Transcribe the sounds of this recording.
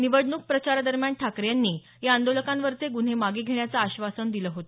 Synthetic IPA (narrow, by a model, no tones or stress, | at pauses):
niʋəɽɳuk̚pɾət͡ɕaɾad̪əɾmjaɳʈʰakɾjanːiː | jaand̪oləkãmʋəɾt͡seɡun̤emaɡiːɡʱeɳjat͡saːɕʋasənd̪iləɦot̪ə